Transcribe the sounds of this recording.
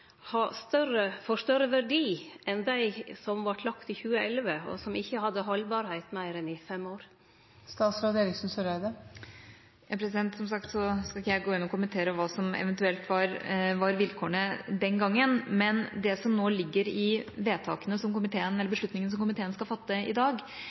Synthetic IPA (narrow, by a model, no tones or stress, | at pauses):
hɑːst̪œrəfɔʂt̪œɾəʋæɖiːɛnd̪æɪsɔmʋɑʈlɑkt̪ɪçʉːəɛlʋəɔ̰sɔmɪçːəhɑd̪ːəɦɔlbɑɾhæɪt̪mæɪɾɛnɪfɛmoːɾ | st̪ɑːt̪sɾɑːd̪eːɾɪksnsɔɾæɪd̪ə | jɑpʰɾɛsɪd̪ɛnt̪sɔmsɑkt̪sɔskɑlɪçːəjæɪɡoːɪnːɔkʊmənt̪ʰeːɾəʋɑːsɔmɛ̰ʋənt̪ʉɛlt̪ʋɑɾʋɑɾʋɪlkʰoːəɳəd̪ɛnɡɑŋːənmɛnd̪ɛsɔmnoːlɪɡːəɾɪʋeːt̪ʰɑ̰ːkənəsɔmkʊmɪt̪ʰeːənɛlːəbəʂɭʉt̪nɪŋəns̬ɔmkʊmɪt̪ʰeːənskɑfɑt̪ːəɪ̰d̪ɑːɡ